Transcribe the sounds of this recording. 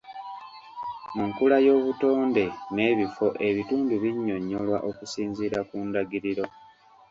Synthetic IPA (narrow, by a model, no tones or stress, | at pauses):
muŋkulajo̞ːβuto̞ːnde̞ne̞ːβifo̞ʔe̞βituːnduβiɲːo̞ɲːolwaʔo̞kusiːnziːɾakuːndaɡiɾiɾo̞